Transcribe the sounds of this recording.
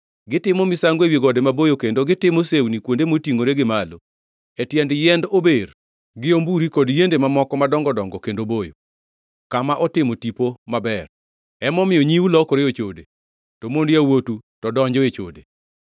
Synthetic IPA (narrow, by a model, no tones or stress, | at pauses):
ɡɪtɪmɔmɪsaŋɡewjiɡɔdemabojokendoɡɪtɪmosewnikwondemotiŋɡoɾeɡɪmalo | etjɛndjɛndober | ɡɪombuɾikodjendemamɔkɔmadɔŋɡɔdɔŋɡɔkendobojo̰ | kamaʔɔtɪmotipomabɛr | ɛmɔmɪjɔɲiwulɔkoɾeot͡ʃode | tomondjawotutɔdɔɲd͡ʒɔet͡ʃo̰de